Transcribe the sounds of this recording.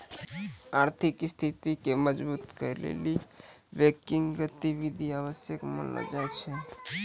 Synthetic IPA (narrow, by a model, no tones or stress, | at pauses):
aɾt̪ʰikst̪ʰit̪ikeməd͡ʒbut̪kəɾlḛli | bekiŋɡɡət̪ibid̪ʱiaβəsjəkmə̰nə̰d͡ʒaet͡ʃʰɛ